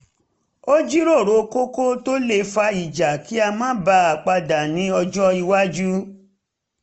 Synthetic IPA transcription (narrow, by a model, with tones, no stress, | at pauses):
o˦d͡ʒi˦ɾo˦˨ɾo˨ko˦ko˦to˦le˧˨fa˧˦i˨d͡ʒa˨ki˦a˧mãː˦ba˧˦a˨k͡pa˧da˨nĩ˨˦ɔ˧d͡ʒɔ˦i˧wa˦d͡ʒu˦